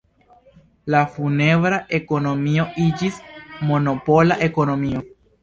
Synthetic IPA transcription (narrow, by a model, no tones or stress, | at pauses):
lafune̞vɾaʔe̞ko̞no̞mio̞ʔid͡ʒismo̞no̞po̞laʔe̞ko̞no̞mio̞